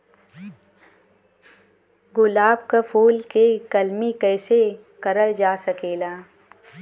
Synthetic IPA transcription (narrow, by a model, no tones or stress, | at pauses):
ɡʊlaːb̚kapʰuːlkekɐlmikɛːse | kɐɾəld͡ʒaːsɐkeːlaː